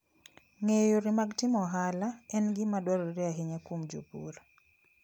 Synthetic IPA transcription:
ŋejoɾɪmaɡtɪmɔɦalaɛnɡɪmadwaɾɔɾɪaɦɪɲakumd͡ʒo̰pṵɾa

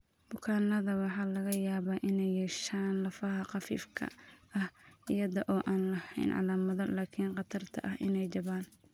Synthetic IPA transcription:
b̥ʊkʰaːnɐðɐwɑħɑːlɐɣɐjaːβaːʔɪnɛjːɛːʃaːnlɐfɐɦɐqɑfḭːfkʰɐ̰ʔɐhijɐðɔʔɔːʔaːnlɐhɛ̰jnʕɑ̰laːmɐðɔlaːkʰiːnqɑt̪ʰɐrt̪ʰɐ̰ʔɐɦʔɪnɛjt͡ʃɐβaːn

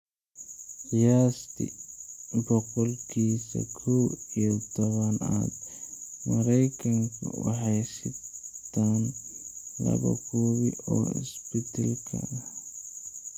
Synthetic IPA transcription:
tijaːst̪ʰɪ | bɔqɔlkʰiːsɐkʰɔwijɔt̪ʰɔβɐna̰ːd̪mɐɾɛjkʰɐŋkʰʊ̰wɑ̰ħɑjsɪt̪ʰːaːn | lɐ̰βɐ̰kʰuːβɪɔːɪ̰sbɪt̪ʰɐlkʰɐ

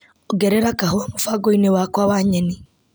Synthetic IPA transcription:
oɡɛɾɛɾakahoamofaɡoinewakwawaɲɛni

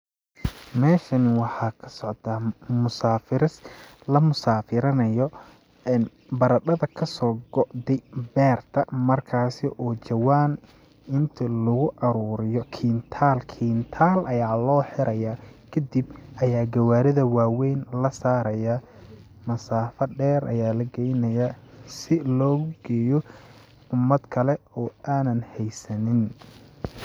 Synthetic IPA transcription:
mɛːʃɐnɪwɑħɑkʰɐ̥sɔʕt̪ʰaːmʊsaːfɪɾɪs | lɐmʊsaːfɪɾɐnɐjɔ | ɛn | bɐɾɐɖɐðɐkʰɐsɔːɡɔʔd̪ɛjbɛːrt̪ʰɐmɐrkʰaːsɪʔɔːt͡ʃɐwaːn | ɪnt̪ʰɐlʊɣʊʔɐɾuːɾɪjɔkʰiːnt̪ʰaːlkʰiːnt̪ʰaːlʔɐjaːlɔːħɪɾɐjaːkʰɐd̪ibʔɐjaːɡɐwaːɾɪðɐwaːwɛjnlɐsaːɾɐja | mɐsaːfɐɖɛːɾɐ̰jaːlɐɡɛjnɐjasɪlɔːɣʊɡ̥ɛːjɔ | ʊmːɐd̪kʰɐlɛɔːaːnɐnhɛjsɐnɪn

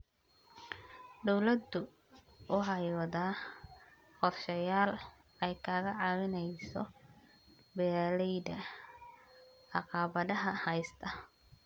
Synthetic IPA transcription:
d̪ɔwlɐd̪ʊ | ʔʊɦɑjwðaː | qɔrʃɐjaːl | ɛjkʰaːɣɐʕɑːwɪnɛjsɔ | bɛːlɛjd̪ɐ | ʕɑqɑːβɐðɐɦɐhɐjst̪ʰɐ

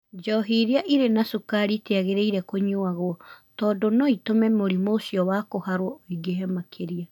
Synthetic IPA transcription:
d͡ʒɔɦiɾiaʔiɾenasukaɾiteaɣeɾeiɾɛkoɲoaɣɔtɔːdɔnɔitomɛmoɾimoːsiɔwakohaɾwɔoiɡeɦɛmakʰeɾia

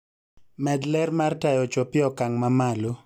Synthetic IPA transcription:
mɛd̪lɛrmartajɔt͡ʃopɪɔkaŋmamalo

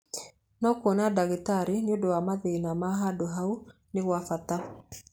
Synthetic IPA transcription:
nɔkonadaɣetaɾeneodɔwamaðeinamaɦadoɦau | neɣwafata

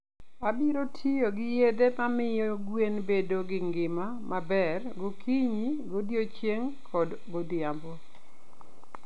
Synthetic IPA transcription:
abiɾotʰijoɡɪjed̪emamɪjoɡwenbedoɡɪŋɡɪmamabɛrɡokʰiɲiɡodjot͡ʃjeŋkʰɔd | ɡodɪjambo

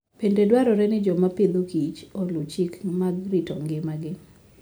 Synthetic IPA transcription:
pendedwaɾɔɾɛnɪd͡ʒɔmapɪd̪okit͡ʃolʊt͡ʃikmaɡɾɪtɔŋɡɪmaɡɪ

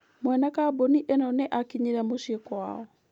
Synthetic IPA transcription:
mwɛnakaboniʔenɔnɛʔakiɲiɾɛmoʃiekwa̰ɔ

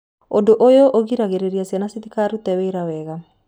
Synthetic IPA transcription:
ondoʔojoʔoɣiɾaɣeɾeɾiasjanasit̪ikaɾut̪ɛwɛiɾawɛɣa

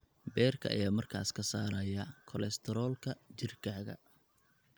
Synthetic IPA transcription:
bɛːrkʰɐʔɐ̰jaːmɐrkʰa̰ːskʰɐsaːɾɐjɐkʰɔlɛst̪ʰɛɾɔːlkʰɐt͡ʃɪrkʰaːɣɐ̰

